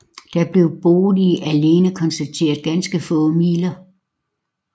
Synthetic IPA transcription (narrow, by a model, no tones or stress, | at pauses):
d̥ɑ̈b̥le̝ʊb̥o̝ːl̩ˠiʔæle̝ːnəkʰɒ̽nsd̥æt͡sʰe̝̰ːɐðˠɡ̥ænsɡ̥əfɔ̽ːmiːlɐ